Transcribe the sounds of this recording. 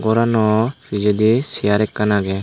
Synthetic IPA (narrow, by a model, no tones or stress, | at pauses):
ɡɔɾanɔfid͡ʒɛd̪isijaɾɛkːanaɡɛ